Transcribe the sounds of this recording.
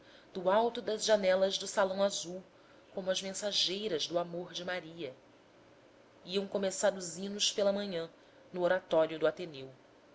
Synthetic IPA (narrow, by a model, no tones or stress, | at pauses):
d̪ʊawt̪ʊd̪ɐzʒanɛlɐzd̪ʊsalɐ̃w̃azuw | kõmʊɐzmẽsaʒejɾɐzd̪ʊamoɾd͡ʒɪmaɾiɐ | iɐ̃w̃komesaɾʊzĩnʊʃpelɐmɐ̃ɲɐ̃ | nʊoɾat̪ɔɾjʊd̪ʊat̪enew